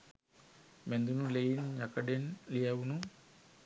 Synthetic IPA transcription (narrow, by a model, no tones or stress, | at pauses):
mend̪unulejinjakɐɖenlijawunu